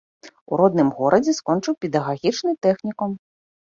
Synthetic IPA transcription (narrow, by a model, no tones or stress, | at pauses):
uɾɔd̪nɨmɣɔɾʔɐd͡zʲiskɔnt͡ʂɨwpʲɛd̪ɐɣaɣʲit͡ʃnɨt̪ɛxnʲikɔm